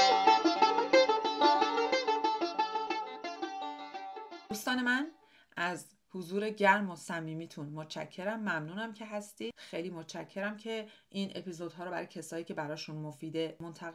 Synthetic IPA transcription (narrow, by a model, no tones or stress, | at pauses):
d̪̥uːst̪ɒːne̞mæn | ʔæz | huzuːɾe̞ɟæɾmo̞sæmːiːmiːt̪ʰunmot̪t͡ʃʰæ̰cʰːe̞ɾæmːæmnuːnæmcʰe̞ɦæst̪iːd̪̥xejliːmot̪t͡ʃʰæcʰːe̞ɾæmcʰe̞ʔiːnʔe̞̰pʰizod̪̥ɦɒːɾɔːbæ̰ɾɒ̰jcʰe̞sɒːiːcʰe̞bæɾɒːʃunmofiːd̪emont̪ʰæɣe